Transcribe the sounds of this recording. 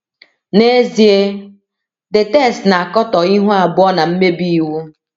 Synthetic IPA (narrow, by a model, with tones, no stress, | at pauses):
ne˦zi˨e˦ | dɪ˨tɛ˦˨stna˨a˨kɔ˦tɔ˨i˦ɦu˦a˨bʊ˦ɔ˦na˨m̩˦me˦bi˦i˨wu˦